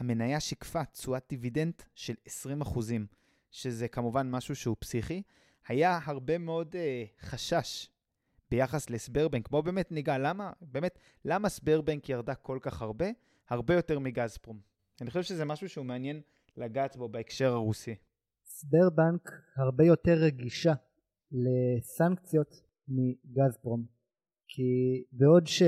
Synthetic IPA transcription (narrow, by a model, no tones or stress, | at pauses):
hame̞najaʃikfat͡suat̚divide̞ntʃelesʁimaχuzim | ʃe̞zekamuvanmaʃuʃeupsiχi | hajaɦaʁbe̞meo̞deχaʃaʃ | be̞jaχasle̞sbe̞ʁbeŋkbobe̞ːmetniɡalamabe̞ːme̞t | lamasbeʁbaŋkjaʁdako̞lkaχhaʁbe̞ | haʁbejo̞te̞ʁmiɡazpʁom | anixχoʃevʃezemaʃuʃeumeanjen | laɡaːtbo̞baekʃe̞ʁaʁusi | sbeʁbaŋkhaʁbejo̞teʁːeɡiʃa | lesaŋkt͡sjo̞t̪ | miɡazpʁom | kʰibeo̞dʃe